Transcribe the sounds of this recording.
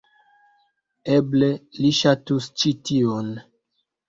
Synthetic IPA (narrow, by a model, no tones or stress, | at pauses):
eble̞liʃatust͡ʃition